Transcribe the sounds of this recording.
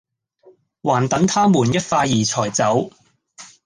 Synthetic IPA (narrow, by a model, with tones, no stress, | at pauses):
waː˨˩nt̪ɐ˨˥ŋt̪ʰaː˥muː˨˩njɐ˥t̚faː˧jiː˨˩t͡sʰɔː˨˩jt͡sɐ˨˥w